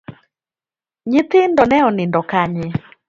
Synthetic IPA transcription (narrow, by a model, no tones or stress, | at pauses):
ɲɪt̪ɪndɔnɛɔnɪndɔkaɲɪ